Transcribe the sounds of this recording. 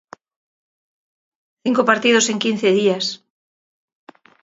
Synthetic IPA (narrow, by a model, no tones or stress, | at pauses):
θiŋkopaɾt̪ið̞oseŋkinθeðias